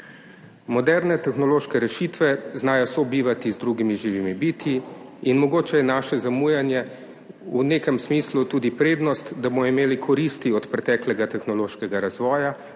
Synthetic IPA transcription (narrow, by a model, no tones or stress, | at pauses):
mɔd̪ɛɾnɛt̪ɛxnɔloːʃkɛɾɛʃit̪ʋɛznaːjɔsɔbiːʋat̪izd̪ɾuːɡimiʒiːʋimibit̪iinmɔɡoːt͡ʃɛjɛnaːʃɛzamuːjɛnjɛ | uneːkəmsmiːslut̪uːd̪ipɾeːd̪nɔst̪d̪abomɔimeːlikʰɔɾiːst̪iɔt̪pɾɛt̪ɛːklɛɡat̪ɛxnɔloːʃkɛɡaɾazʋɔːja